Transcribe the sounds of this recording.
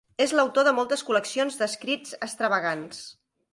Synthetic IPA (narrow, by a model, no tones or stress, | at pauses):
ezləwt̪oðəmɔlˠt̪əskuləksionzðəskɾid͡zəst̪ɾəβəɣ̞ans